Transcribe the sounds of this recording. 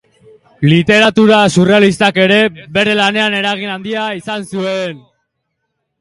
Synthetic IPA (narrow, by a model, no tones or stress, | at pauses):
lit̪e̞ɾat̪uɾasure̞alist̪ake̞ɾe̞βe̞ɾe̞lane̞ane̞ɾaɣ̞inand̪iaisansue̞n